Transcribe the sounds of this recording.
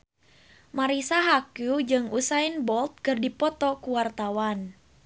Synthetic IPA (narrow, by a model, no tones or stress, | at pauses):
maɾisaɦakud͡ʒɨŋusainbɔlt̪̚kɨrdipɔt̪ɔkuwart̪awan